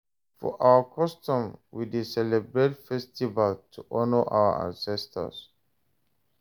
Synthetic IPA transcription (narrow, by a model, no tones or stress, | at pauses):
fɔ̰ʔawəkʰɔstũmwidisɛlɛbɹetfɛstivaltʰuʔɔnəʔa̰wə̰ã̰nsɛstʰə̰s